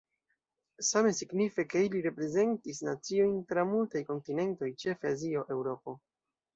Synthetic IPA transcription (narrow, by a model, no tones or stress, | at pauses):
same̞siɡnife̞ke̞iliɾe̞pɾe̞ze̞ntisnat͡sio̞jntɾamultajko̞ntine̞nto̞jt͡ʃe̞fazio̞ʔe̞wɾo̞po̞